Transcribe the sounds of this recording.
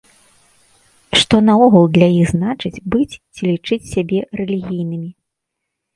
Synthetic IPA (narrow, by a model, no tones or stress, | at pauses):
ʂt̪ɔnaɔɣulˠd̪lʲajiɣznat͡ʂɨd͡zʲbɨt͡sʲt͡sʲilʲit͡ʂɨt͡sʲsʲabʲɛrɛlʲiɣʲijnɨmʲi